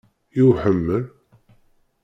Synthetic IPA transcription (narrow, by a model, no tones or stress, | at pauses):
iwħəmːəl